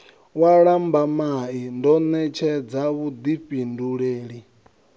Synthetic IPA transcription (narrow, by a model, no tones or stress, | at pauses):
waɺambamaindɔnɛt͡ʃʰɛd͡zaβud̪iɸinduɺeːɺi